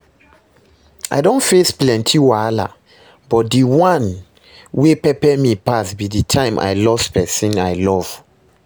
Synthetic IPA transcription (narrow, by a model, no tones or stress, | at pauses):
a̰ɪdõntfesplɛ̃ntʰiwala̰ | bɔt̚diwãn | wepɛpɛmipasbiditʰãɪ̃mʔa̰jlɔspɛsĩnajlɔv̥